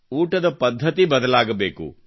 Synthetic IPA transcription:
uːʈɐd̪ɐpɐd̪ʱːɐt̪ibɐd̪ɐlaːɡɐbeːkṵ

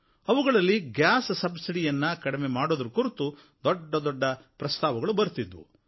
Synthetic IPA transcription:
ɐʋuɡɐɭɐlːiɡjaːssɐbsiɽijɐnːɐkɐɽimemaːɽoːd̪ɐɾukuɾit̪u | d̪ɔɖːɐd̪ɔɖːɐpɾɐst̪aːʋɐɡɐɭubɐɾut̪id̪ʋṵ

